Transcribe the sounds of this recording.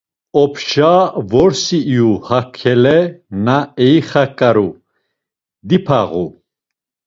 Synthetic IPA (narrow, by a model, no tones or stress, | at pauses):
ɔpʰʃavɔɾsiːjuhakʰːɛlɛnaɛjχakʼaɾu | d̪ipʰa̰ʁṵ